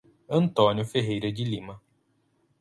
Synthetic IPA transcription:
ɐ̃nt̪õnjʊfeɦejɾɐd͡ʒɪlĩmɐ

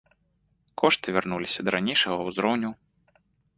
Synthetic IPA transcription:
kʰɔʂt̪ɨvʲarnulʲisʲɐd̪ɐɾanʲejʂɐɣɐwzɾɔwnʲu

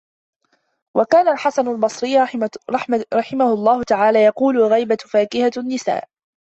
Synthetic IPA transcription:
wʔakaːnalħasanalbɑsˤɾɪjː | ɾˤɑħɪmahʊlˤːɑːhʊt̪aʕaːlaːjɑquːlʊlɣajbafaːkɪhanːɪsa̰ːʔ

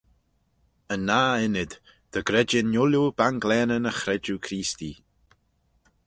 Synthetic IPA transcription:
ənːaːɪnɪd̪ | d̪̥əɡɾɛd͡ʒɪnjʊljubanɡlɛːnənəxɾɛd͡ʒukʰɾiːst̪i

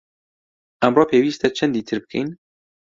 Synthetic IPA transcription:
æmrɑːpʰeːwiːst̪ɛt͡ʃʰɛnd̪iːt̪ʰɨɾbɨ̥kʰḛjn

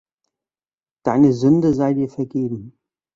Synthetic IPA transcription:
d̥aɪnəzʏndəzaɪtdiːɐfɛɐɡeːbm̩

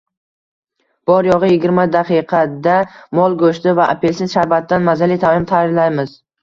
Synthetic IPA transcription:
b̥ɒɾjɒʁɨjɪɡʲɪɾmad̪aqʰɨjqʰɑd̪amɒlˠɡɵʃt̪ɪvaʔa̰pʰelsɪnʃaɾbat̪ːanmazalijt̪ʰamɪmt̪ʰaɾɪlajmɪz

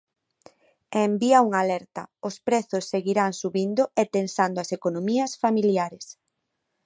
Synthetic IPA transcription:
embiauŋalɛɾt̪ɐ̰ospɾɛθʊsːeɣiɾaŋsuβind̪ʊet̪ensand̪oasekonomiɐsfamiljaɾes

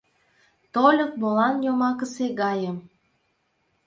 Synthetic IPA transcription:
t̪olʲɤk̚bolɑnjomɑkəseɣɑjə̆m

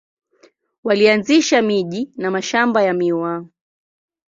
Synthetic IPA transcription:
walianziʃamiʄinamaʃambajamiwa

